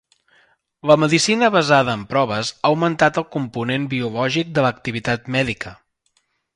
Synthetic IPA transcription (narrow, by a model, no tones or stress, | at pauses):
ləməðisinəβəzaðəːmpɾɔβəzaːwmənt̪at̪əlˠkumpunembiulɔʒik̚d̪ələk̚t̪iβ̞it̪at̪mɛðikʰə